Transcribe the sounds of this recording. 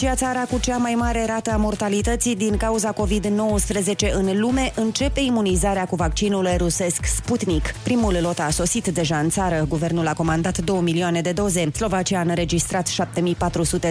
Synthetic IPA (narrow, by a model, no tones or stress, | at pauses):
t͡ʃiat̪saɾakut͡ʃamajmaɾe̞ɾat̪əamo̞rt̪alit̪ət̪sid̪iŋkauzako̞vid̪no̞wəspɾəze̞t͡ʃe̞ʔɨnlume̞ʔɨnt͡ʃe̞pe̞imunizaɾeakuvak̚t͡ʃinuluɾuse̞sksput̪nikpɾimullo̞t̪aso̞sit̪d̪e̞ʒaɨnt̪saɾəɡuve̞rnulako̞mand̪at̪d̪o̞wəmilioane̞d̪e̞d̪o̞ze̞slo̞vat͡ʃiaɨnɾe̞d͡ʒist̪ɾat̪ʃap̚t̪e̞mipat̪ɾusut̪e̞